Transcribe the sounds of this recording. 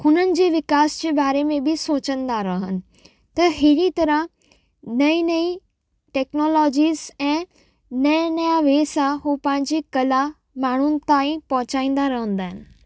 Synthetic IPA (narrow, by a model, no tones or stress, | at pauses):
hʊnənɪ̆d͡ʑeːʋɪkaːsd͡ʑeːbaːɾemẽbɪsoːt͡ɕə̃nd̪aɾɐɦənɪ̆ | t̪ɐɦɪɾit̪ɐɾə | nɐinɐi | ʈeːknoːlɔːd͡ʑiːzɛ̃ː | nɐnɐjaʋeːsãɦuːpɐ̃ɦɪ̃ɲd͡ʑikɐla | maːɳ̤ʊnɪ̆t̪aːĩpɐɦʊ̃t͡ɕaːĩːn̆d̪aɾɐɦə̃nd̪aːɦɪnɪ̆